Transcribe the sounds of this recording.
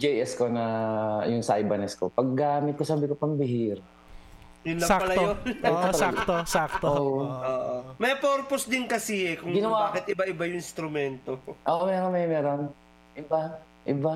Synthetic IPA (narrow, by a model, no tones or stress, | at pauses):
d͡ʒɛjʔɛskonɐjʊŋsa̰jbɐnɛskopɐɡ̚ːaːmɪt̪̚kosɐaːbɪkopɐŋbɪɦiɾ | jʊnlɐspɐlɐjonoɐɐlat̪osak̚t̪ooːʔooːʔomɛjpoɾposd̪ɪnkɐsiɛkʊŋɡɪnɐwaakɪt̪ʔɪbaʔɪbajʊŋɪ̃nst̪ɾʊmɛnt̪oʔoːʔomɛːɾonmɛjmɛːɾon | ʔɪba | ʔɪba